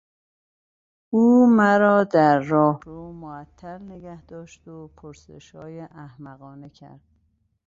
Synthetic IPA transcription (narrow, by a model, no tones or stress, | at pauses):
uːmæɾɒːd̪æɾːɒːhɾoːmoæt̪ʰːæɾneɟæhd̪̥ɒːʃd̪opʰoɾsḛʃɒːjeʔæhmæɣɒːnecʰæ̰ɾd̪̥̚